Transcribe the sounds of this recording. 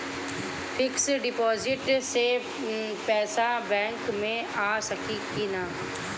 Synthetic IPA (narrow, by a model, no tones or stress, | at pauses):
fʰɪksɖɪpɔːzɪʈse | pɛːsabɛ̃ːŋkmẽaːsɐkikinaː